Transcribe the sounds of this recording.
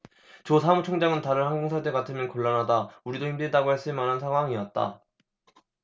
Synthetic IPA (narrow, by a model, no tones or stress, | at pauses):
t͡ɕosʰamut͡ɕʰoŋd͡ʑaŋɯntaɾɯɭhaŋɡoŋsʰadekatʰɯmjʌnkʌɭːanɦadauɾidoçimdɯdaɡoheɭs͈ɯɭmanɯnsʰaŋɦwaŋiʌt̚t͈a̰